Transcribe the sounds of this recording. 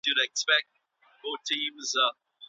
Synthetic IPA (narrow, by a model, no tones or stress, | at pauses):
d̥ɨɾɛkspɛk̚t̚ | fɔtʰĩːmz